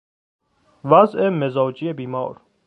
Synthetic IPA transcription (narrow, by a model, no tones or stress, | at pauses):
væzemezɒːd͡ʒiebiːmɒ̰ːɾ